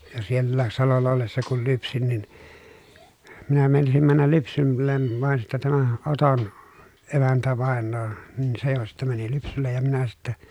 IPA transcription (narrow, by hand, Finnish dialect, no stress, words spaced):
jo sielːæːs sɑlolːɑ olːesːɑ kul lypsin nin minæ meinɑsim mænːæl lypsylːen ʋɑn sitːæ tæmæ oton emæntæʋɑˑenˑoː nin se jo sitːæ mæni lypsylːej jɑ minæ sitːe